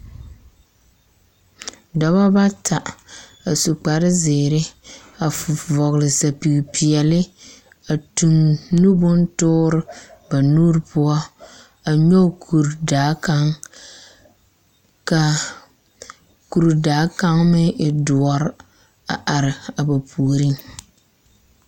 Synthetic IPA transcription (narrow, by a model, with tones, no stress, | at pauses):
da˨ba˦ba˦tʰa˨ | a˨su˨k͡pa˨ɾɪ˦zeː˨ɾɪ˦ | a˨vɔ˨ɣlɪ˨sa˨pi˨ɡpi˨ɛ˨lɪ˦ | a˨tu˨ŋnu˦bʊ˦n˦tʊː˦ɾɪ˦ba˨nuː˦ɾpʊ˦ɔ˦ | a˨ɲɔ˦˨ku˨ɾdaː˨˦ka˦ŋ | ka˨ | ku˨ɾdaː˨˦ka˦ŋmɪ˦ɪ˨dʊ˨ɔ˨˦ɾ | a̰˨ʔa˨ɾɪ˨a˨ba˨pʰuː˨ɾi˦ŋ